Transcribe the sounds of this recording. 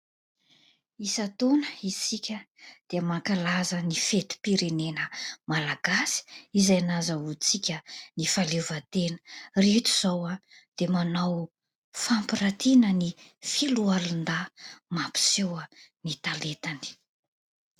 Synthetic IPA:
isat̪onəisikʲə | d̪̥eəmakalazənifet̪i̥piɾenenəmalaɡasi̥izajanazəut͡sikʲənifalevət̪enə̥ret̪u̥z̥awa | d̪̥emanaw | fampiɾat̪inənifilualund̪amapi̥sewənit̪alet̪ani̥

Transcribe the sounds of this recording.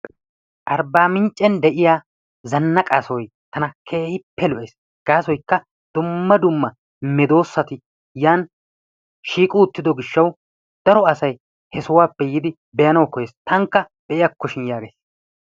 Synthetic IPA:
ʔɐɾbaːmɪnt͡ʃʼːɛnd̪ɛʔɪjaː | zɐnːɐkʼasɔj | t̪ɐnɐkʰeːhɪpːɛlɔʔeːs | ɡ̥aːsɔjkːɐ | d̪̥ʊmːɐd̪ʊmːɐ | mɛd̪o̞ːsːɐt̪ɪ | jaːn | ʃiːkʼʊːt̪ːɪd̪ɔɡɪʃːɐw | d̪̥ɐɾɔɐsɐj | hɛsʊwaːpːɛjɪd̪ɪ | bɛjɐnɐwkɔjeːst̪ʰɐŋkːɐ | b̥ɛʔɪjɐkːɔʃɪnjaːɡḛːs

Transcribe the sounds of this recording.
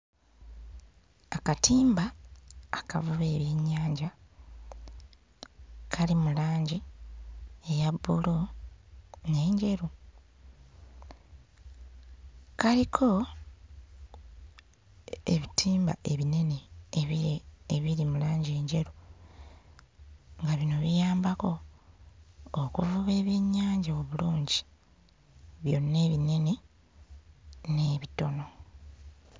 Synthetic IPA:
akatʰiːmbaː | ka̰vuβe̞ːβjeɲːaːɲɟa | kʰalimulaːɲɟi | ejabulo | ne̞ːɲɟe̞ɾu | kalikʰo̞ | eβitʰiːmba̰e̞βine̞neːβieːβiɾimulaːɲɟe̞ːɲɟe̞ɾu | ŋɡaβino̞βijaːmbako̞ | kuvuβe̞ːβjeɲːaːɲɟaoβuluːɲɟi̥ | βjo̞̰nːe̞ːβine̞ne | ne̞βito̞no̞

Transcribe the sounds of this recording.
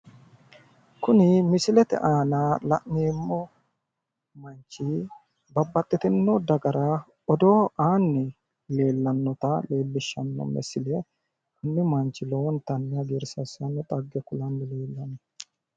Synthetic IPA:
kʊnɪmɪsɪlɛt̪ɛ̰ʔaːnɐlɐ̰ʔneːmːɔ | mɐnt͡ʃːɪ | bɐbːɐt̪ʼːɪt̪ɛnːɔd̪ɐɡɐɾɐ | ɔd̪oːʔaːnːɪ | le̞ːlːɐnːɔt̪ɐle̞ːlːɪʃːɐnːɔ̰mɛ̰sɪlɛ | ɐnːɪmɐnt͡ʃːɪlɔwɔnt̪ɐnːɪɐɡeɾsɐsɐnːɔt̪ʼɐɡːɛkʊlɐnːɪle̞ːlːɐnɔ

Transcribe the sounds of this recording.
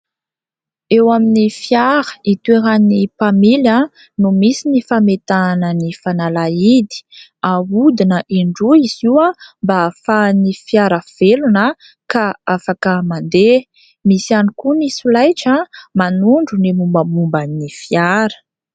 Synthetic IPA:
ewaminifjaɾə̥it̪ueɾanipamila | numisinifamet̪anənifanalaid̪i̥ | aud̪inəʔiɳɖ͡ʐuiz̥iwambafanifjaɾəv̥elunə | kaafakəmand̪e | misianikunisulajʈ͡ʂəmanuɳɖ͡ʐunimumbəmumbanːifjaɾə̥

